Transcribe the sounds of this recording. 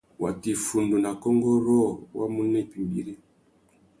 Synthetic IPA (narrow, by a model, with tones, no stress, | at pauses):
wa˨ti˨fu˨ndu˨na˨kɔ˦ŋɡɔ˦ɾɔ˦˨wa˦mu˦nɛ˦˨pi˨mbi˨ɾe˦